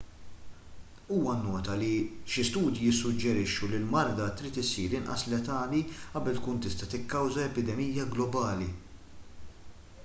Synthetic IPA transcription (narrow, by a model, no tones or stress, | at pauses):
uːwɐnːɔːt̪ɐliʃɪst̪uːd̪jijɪsːʊd͡ʒːɛɾɪʃːulɪlmɐɾd̪ɐt̪ɾiːt̪ɪsiːɾɪnʔɐ̰slɛt̪ɐːliʔɐbɛlt̪kuːnt̪ɪst̪ɐt̪ɪkːɐwzɐɛpɪd̪ɛmijːɐɡlɔbɐːli